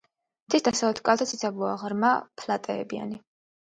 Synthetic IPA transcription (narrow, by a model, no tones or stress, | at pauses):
mt̪ʰisd̪asalɛt̪ʰkʼalˠt̪ʰat̪sʰisʰabuaʁɾmapʰlat̪ʼɛ̰ːbia̰ni